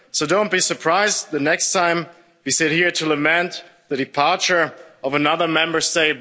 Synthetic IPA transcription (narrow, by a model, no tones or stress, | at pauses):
soʊdõʊ̃nb̥isə˞pʰɹ̥aɪzðɨnɛkstʰãɪ̃m | wisɪt̚hiɹɾɨləmɛ̃ntðɨɾɨpʰɑɹt͡ʃə˞ʌvənʌðə˞mɛ̃mbə˞steɪt̚